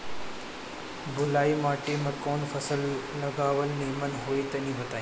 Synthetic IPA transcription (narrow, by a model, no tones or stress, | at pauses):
bʊlaːimaːʈemɐ̃koːnfɐsəllɐɡaːʋəlneːmənɦoːit̪ɐnĩːʋɐt̪aːĩ